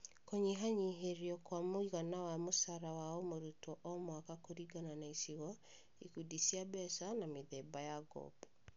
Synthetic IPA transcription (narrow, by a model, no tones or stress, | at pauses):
koɲiɦaɲiɦeɾiɔkwamoiɣanawamosaɾawaɔmoɾutɔʔɔmwakakoɾiɡananaisiɣɔ | ikudisiabɛsanameðɛbajaɡɔ̰bɔ